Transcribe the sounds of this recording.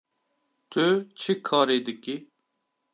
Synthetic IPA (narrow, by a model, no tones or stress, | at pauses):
t̪ʰøt͡ʃʰikʰːaːɾeːd̪ɪki